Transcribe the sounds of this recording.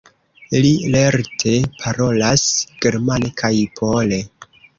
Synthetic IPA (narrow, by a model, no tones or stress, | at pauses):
ilileɾtʰe̞pʰaɾo̞lasɡ̥e̞ɾmanekʰajpʰole̞